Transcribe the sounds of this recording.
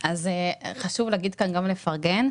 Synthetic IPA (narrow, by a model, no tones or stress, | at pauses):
azeχaʃuvleːɡid̪̚kanɡamlefaʁɡen